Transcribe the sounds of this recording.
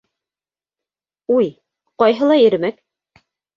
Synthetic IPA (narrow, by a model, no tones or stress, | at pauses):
uj | qɑjɦɤlˠɑjɘ̆ɾɘ̆mæk